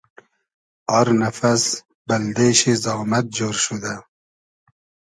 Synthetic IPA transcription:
ɔɾnafas | bald̪eʃizɑːmat̪̚d͡ʒoːɾʃud̪a

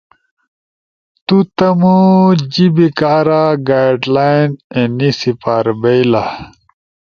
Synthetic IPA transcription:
t̪ut̪ɐmud͡ʑibikaːɾaɡajɖlajnenisipaːɾbejla

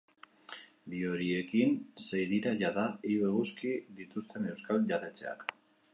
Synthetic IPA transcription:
bio̞ɾie̞kinsejðiɾaʝaðaiβeɣuskiðit̪ust̪e̞ne̞wskalʝat̪e̞t͡se̞̰a̰k

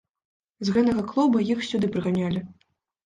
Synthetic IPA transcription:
zɣɛt̪ɐɣɐklˠɔbɐjixsʲud̪ɨpɾɨɣanʲalʲi

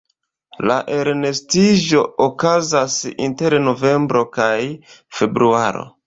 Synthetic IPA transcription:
laʔe̞ɾne̞stiʒo̞ːkazasḭnte̞ɾno̞ve̞mbɾo̞kajfe̞bɾuaɾo̞̰

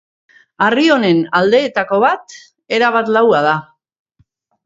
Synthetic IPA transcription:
ario̞ne̞nald̪e̞ːt̪ako̞β̞at̪ | e̞ɾaβ̞at̪lawað̞a

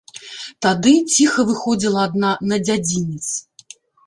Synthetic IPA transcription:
t̪ad̪ɨt͡sʲixɐvɨxɔd͡zʲilˠɐːd̪nanɐd͡zʲad͡zʲinʲit̪s

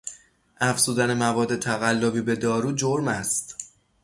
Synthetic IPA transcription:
ʔæfz̥uːd̪æne̞mævɒːd̪ːe̞t̪ʰæɣælːobiːbe̞d̪ɒːɾuːd͡ʒoɾmæst̪

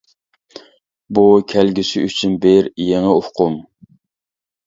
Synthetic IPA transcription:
bukʲʰælɡʲisɪyt͡ʃʰynbeɾjeŋəohqʰʊm

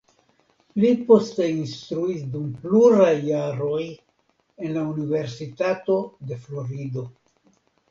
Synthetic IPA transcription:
lipo̞ste̞inst̪ɾuisdumpluɾajːaɾo̞j | e̞nlaunive̞ɾsitato̞de̞flo̞ɾido̞

